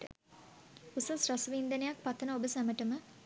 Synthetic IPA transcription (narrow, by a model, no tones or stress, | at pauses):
ə̰ | usasrasəʋind̪ənejak̚pat̪ːənəobəsæməʈəmə